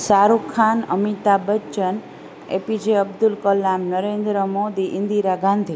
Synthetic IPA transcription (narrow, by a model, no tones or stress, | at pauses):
saɾukʰːanəmit̪abət͡ʃən | ḛpid͡ʒeəbd̪ulkəlamnəɾend̪ɾəmod̪iʔind̪iɾaɡãnd̪ʱi